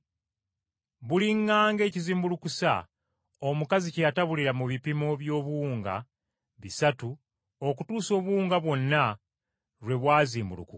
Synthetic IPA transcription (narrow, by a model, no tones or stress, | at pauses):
βuliŋːaːŋɡe̞ːciziːmbulukusa̰ | o̞mukazicejataβuliɾamuβipimo̞βjo̞ːβuːŋɡa̰ | βisatu | okutuːso̞ːβuuːŋɡaβwo̞nːa | ɾwe̞βwaːziːmbulṵku